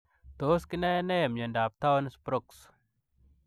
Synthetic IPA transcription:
t̪o˦ski˦ne˦ne˦jmɲə˨nda˨p̚t̪a˦wnspɾo˦ks

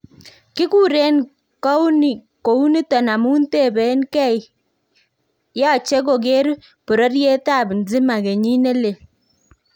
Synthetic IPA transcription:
kɪ˦ku˦ɾe˦n | kɔ˦ni˨ | ko˨u˦ni˦tɔ˨na˨mu˦nte˦˨be˨˦nkɛ˦˨j | jɔ˦˨t͡ʃe˦k̬o˨k̬e˦ɾ | pu˨ɾɔ˦ɾje˦ta˦˨bnzi˦ma˨ke˨ɲi˦ne˦le˨

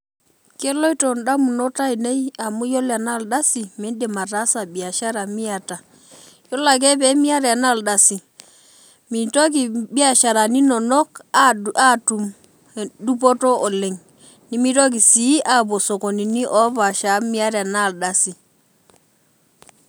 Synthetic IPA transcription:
ke˦lo˦i˦to˨nda˦mu˨nɔ˦ta˦i˨ne˦ja˨mu˦jo˦la˨na˦˨lda˦si˨me˨˦de˨ma˨ta˨˦sa˨bi˨a˨ʃa˦ɾa˨mi˦a˨ta˨ | jɔ˦la˨k̬ɛ˦pɛ˦mi˦a˦ɾɛ˨a˨na˦˨lda˨si˨ | mi˨to˦k̬i˨bi˦a˦˨ʃa˨ɾa˨ni˦nɔ˨nɔ˦ka˦tu˨m˨ | du˦p̬ɔ˦tɔ˦ʔɔ˨le˨ŋ | ni˦mi˦to˦k̬i˨si˨˦ʔa˦po˨so˨ko˨ni˨ni˦ʔɔ˦pa˨ʃa˨˦mi˦a˦ɾa˨na˦˨lda˦si˨

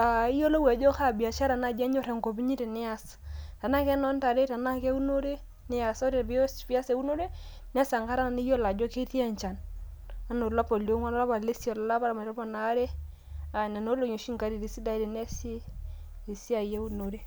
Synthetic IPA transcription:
a˨i˦jo˦lo˦wɛ˨d͡ʒo˦ka˦˨bi˨a˨t͡ʃa˦ɾa˨na˨d͡ʒɛ˦ɲo˦ɾɛ˨ŋko˨bi˦ɲi˦te˨nɪ˦a˨s | ta˨na˦kɛ˦nɔ˦nta˨ɾe˦ta˨na˦ke˦u˦no˦ɾe˦ | nɪ˦ja˨so˦ɾe˨bi˦o˦spi˦a˦se˨˦u˦no˦ɾe˦ | nɛ˦sa˨ŋka˦ɾa˦na˨ni˦jo˦la˨d͡ʒo˦ke˦ti˦ɛ˦ɲt͡ʃa˨n | a˦no˨la˦po˨ljo˦ŋa˦n˦la˦ba˨le˦si˦ɔ˨la˨la˦ba˦ɾa˨ma˨tɔ˦pa˨na˨˦ɾe˦ | a˨na˨no˦lo˨ɲo˨ʃi˦ŋka˨˦ɾi˨ɾi˨si˦da˦de˨nɛ˦siː˦˨ | si˦a˨je˦u˦no˨ɾe˦

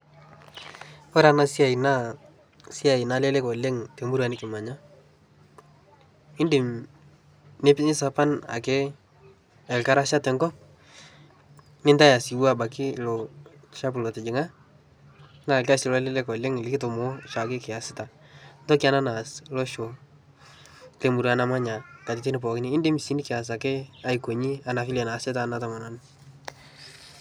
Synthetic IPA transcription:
ɔ˦ɾa˨na˨si˦a˨i˨na˦ | si˦a˨ɪ˨na˦le˦le˦kɔ˨le˦ŋte˨mu˦ɾa˨nɪ˦kɪ˨ma˨ɲa˦ | ɪ˦ndɪ˨m | ne˦pɪ˦ɲɪ˦sa˦pa˦na̰˨ke˦ | ɛ˨lka˦ɾa˦ʃa˦tɛ˨ŋɡɔ˦p̚ | nɪ˦nta˦ja˨si˨wa˦˨ba˨kɪ˦lɔ˨ | ʃa˦p̬lo˨tɪ˨d͡ʒɪ˨ŋa˦ | na˦˨lka˦sɪ˨lɔ˦lɪ˦le˦kɔ˨lɪ˦ŋɪ˨lɪ˦kɪ˦to˨mo˨˦ʃa˨kɪ˦kɪ˨ja˨sɪ˦ta˨ntɔ˦kɪ˦a˦na˦na˨slɔ˦ʃo˨ | le˨mu˨ɾa˨na˨ma˦ɲa˨ka˨tɪ˨tɪ˦nɪ˨p̬ɔ˨kɪ˦niː˦nde˦mi˨si˨˦nɪ˦kɪ˨a˨s̬a˨ke˦a˦jko˨ɲi˦a˨na˨fi˦lɛ˨na˨sɪ˦ta˦na˨ta˨ma˨na˨n

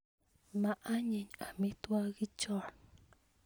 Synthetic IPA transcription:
mã˨ʔa˦ɲĩ˨ɲa˨mĩ˦t̪u˦a˦ɣi˦t͡ʃo˦n

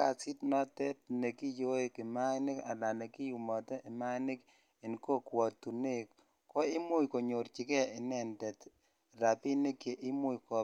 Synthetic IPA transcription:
a˨si˦tnɔ˦tɛ˦t̚ne˨ki˦jo˦e˦ki˨ma˦nɪ˦ka̰˨la˨ne˨ki˦ju˨mɔ˨tɛ˦ʔi˨ma˦nɪ˦k | i˨nko˦kwɔ˨tu˨ne˦kː | o˦i˦mu˦jko˨ɲo˨ɾt͡ʃi˨˦kɛ˦i˨nɛ˨ndɛ˨t | ɾa˨pi˦ni˦ke˨ʔi˦mu˦jkɔ˨

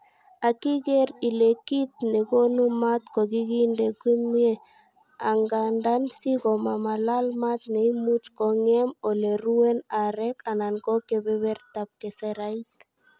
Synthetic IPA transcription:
a˨ki˦kɛ˦ɾi˨le˨ki˦t̪̚ne˨ko˦nu˦ma˦t̪kɔ˨ki˦ɡi˦ndɛ˨kwi˦mie˦ | a˨ŋɡa˨nda˦nsi˦kɔ˨ma˨ma˨la˦lma˦t̪ne˨imu˦t͡ʃkɔ˨ŋɛ˦mɔ˨le˨ɾu˦wɛ˦na˨ɾɛ˦ka˨na˨nkɔ˦kɛ˨bɛ˦βɛ˦rt̪ap̚kɛ˨sɛɾait̪

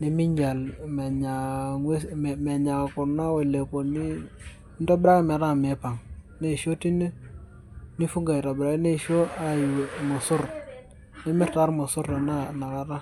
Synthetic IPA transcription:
ni˦mi˦ɲd͡ʒa˨lme˨ɲa˨ŋe˦m˨me˨ɲa˨ku˨na˦we˨le˨ko˨ni˦ | nto˦bɾa˦kme˨ɾa˦˨me˨pa˨ŋ | ne˦˨ʃo˦ti˦ne˦ | ni˦fu˦ŋɡa˨i˨ɾa˨bɾa˨kne˦˨ʃo˦a˨jmo˨su˦ɾ | ni˦mɪ˦ɾta˦ɾmo˨su˦ɾa˨na˦na˨ɾa˨ɾa˦

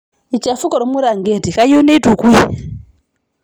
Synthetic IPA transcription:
i˨t͡ʃa˨fu˦kɔ˨ɾɔ˨mu˦ɾa˨ŋɡe˨ti˨ka˦jo˦ne˦i˦tu˨kwi˦

